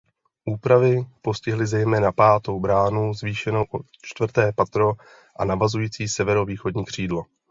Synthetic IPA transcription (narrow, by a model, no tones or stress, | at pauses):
ʔuːpɾavɪpo̞scɪɦlɪzɛjmɛːnapaːt̪o̞wbɾaːnuzviːʃɛno̞wʔo | t͡ʃt̪vr̩t̪ɛːpat̪ɾo̞ | ʔanavazujiːt͡siːsɛvɛɾo̞viːxo̞dɲiːkr̝̥iːdlo̞